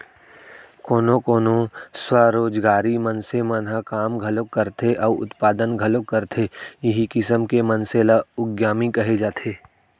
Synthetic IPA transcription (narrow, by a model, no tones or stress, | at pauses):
koːnõkoːnoswaɾoːd͡ʒɡaːɾimənsemənɦakaːmɡʱɐlokːɐɾt̪ʰeʔɔːʊ̰t̪paːd̪ənɡʱɐlokəɾt̪ʰejɐɦikɪsəmkemənselaʊɡjaːmikɐɦed͡ʒaːt̪ʰeː